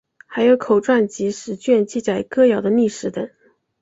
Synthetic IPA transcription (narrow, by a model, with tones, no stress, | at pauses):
xa˧˥ɪjo˧˥ʊkʰo˨˩ʊʈ͡ʂwa˥˩nt͡ɕi˧˥ʂɻ̩˧˥t͡ɕɥɛ˥˧nt͡ɕi˥˧t͡sa˨˩ɪkɤ˥˧jɑ˨˩ʊd̪ə˦ni˥˩ʂɻ̩˧˥t̪ə˨˩˦ŋ